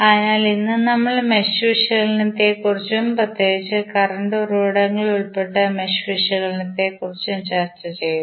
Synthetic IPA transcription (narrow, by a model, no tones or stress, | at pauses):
ɐðɐnaːlinːɨnɐmːɐɭmeɕʋiʂɐɣɐlnit̪ːekurit͡ɕːumprɐt̪ːjeɣit͡ɕːɨkɐrɐɳɖoruoːɽɐŋːɐɭuɭpe̞ʈːɐmeɕʋiʂɐɣɐlinit̪ːe̞kurit͡ɕːumt͡ɕaːrtɐt͡ɕe̞jːum